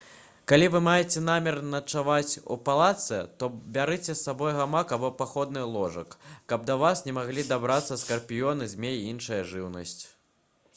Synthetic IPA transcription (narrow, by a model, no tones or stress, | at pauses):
kalʲivɨmajɛt͡sʲɛnamʲɛrnɐt͡ʂavat͡sʲṵpalˠat̪sɛt̪ɔbʲaɾɨt͡sʲɛsːabɔjɣamakabɔpaxɔd̪nɨlˠɔʐɐkːɐb̚d̪ɐvasnʲɛmaɣlʲid̪abɾat̪sːɐskɐrpʲijɔnɨzʲmʲeiinʂɐjɐʐɨwnɐsʲt͡sʲ